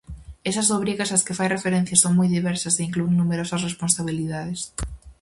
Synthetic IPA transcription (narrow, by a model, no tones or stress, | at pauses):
esɐzðoβɾiɣɐsɐskɪfajrefeɾẽn̟θjasoŋmɔjðiβɛɾsɐseiŋklueŋnumeɾosɐsresponsaβ̞iliðaðes